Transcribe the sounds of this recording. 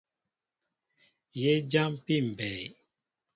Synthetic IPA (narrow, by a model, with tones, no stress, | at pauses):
je˦d͡ʒa˦mpi˦˨m̩˨bɛ˨j